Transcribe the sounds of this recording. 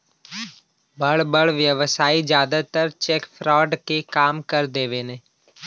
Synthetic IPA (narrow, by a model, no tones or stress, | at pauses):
bɐɽbəɽʋjəʋsaːid͡ʒjaːd̪at̪əɾt͡ʃeːkfʰɾɔːɖkekaːmkɐɾd̪eːʋeːnẽː